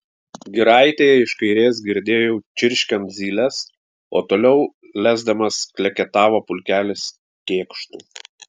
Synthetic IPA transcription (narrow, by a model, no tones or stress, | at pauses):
ɡʲɪɾɑˑɪt̪ʲeːjɛɪʃkɐɪɾʲeːsɡʲɪɾʲd̪ʲeːjoʊt͡ʃʲɪɾʲʃʲkʲɛnt̪zʲiːlʲɛs | o̰ːt̪oːlʲɛʊ | lʲæːzd̪ɐmɐsklʲɛkʲɛt̪ɑːʋoːpʊlʲkʲæːlʲɪs | kʲeːkʃt̪uː